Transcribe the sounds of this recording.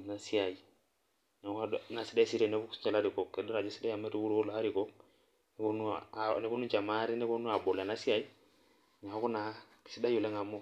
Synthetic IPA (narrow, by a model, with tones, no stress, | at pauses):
na˨si˦a˨i˨ | ɲa˨ka˦dna˨si˦da˦si˦ɾɛ˨nɛ˦bu˦kst͡ʃa˨la˦ɾi˨kɔ˨kːɛ˨dɔ˦ɾa˨d͡ʒɛ˦si˦da˦ja˨mɛ˦ɾu˦ku˦ɾo˦laː˨˦ɾi˨kɔ˦k | nɛ˦ko˦nu˦˨nɛ˦ko˦nu˦t͡ʃa˨ma˦ɾɛ˦nɛ˦ko˦nu˦a˨bɔ˨la˨na˦si˦a˨i˦ | ɲa˨˦kɔ˦na˨ki̥˨si˦da˦jo˨lɛ˦ŋa˨mɔ˦